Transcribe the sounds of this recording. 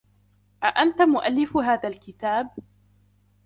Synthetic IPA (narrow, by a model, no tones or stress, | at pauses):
ʔaʔant̪amʊʔalːɪfɦaːðalkɪt̪aːb